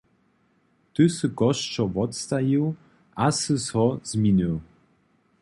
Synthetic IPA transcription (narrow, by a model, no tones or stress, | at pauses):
t̪ɘsɨkɔʃt͡ʃɔvɔt̪st̪ajiw | asɨsɔz̥mʲiniw